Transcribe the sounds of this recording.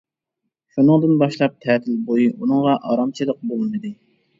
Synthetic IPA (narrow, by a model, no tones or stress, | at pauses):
ʃunɨŋd̪ɨnbɑʃlˠɑp̚t̪ʰɛːt̪ʰɪlbojiʔunɨŋʁɑʔɑɾɑmt͡ʃʰɨləq̚bolˠɨnɨd̪ɨ